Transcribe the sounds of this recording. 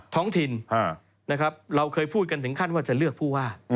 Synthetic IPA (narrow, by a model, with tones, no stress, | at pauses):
t̪ʰɔː˦˥ŋt̪ʰi˧na˧˩ | na˦˥kʰɾa˦˥p̚ɾa˧wkʰɤː˧jpʰuː˥˩ka˧nt̪ʰɯ˩˦ŋkʰa˥˩nwaː˥˩t͡ɕa˨˩lɯ˥˩ək̚pʰuː˥˩waː˥˩